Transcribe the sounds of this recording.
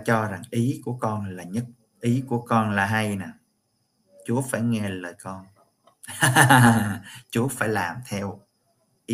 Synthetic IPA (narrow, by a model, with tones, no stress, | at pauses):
t͡ɕɔ˧za˨˩ŋʔi˨˦ku˧˩əkɔ˧nlaː˨˩ɲə˦˥t̚ | ʔi˨˦ku˧˩əkɔ˧nlaː˨˩ɦa˧jnaː˨˩ | t͡ɕu˨˦əfaː˧˩jŋɛ˧ləː˨˩jkɔ˧n | t͡ɕu˨˦əfaː˧˩jlaː˨˩mt̪ʰɛ˧w | ʔi˨˦